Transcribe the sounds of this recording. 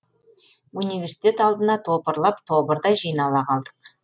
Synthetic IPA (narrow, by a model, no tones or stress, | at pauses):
universi̥t̪ʲe̞t̪ɑlˠd̪ənɑt̪ʰo̞pəɾlˠɑpt̪ʰobəɾd̪ɑjʒijnɑlˠɑqʰɑlˠd̪əq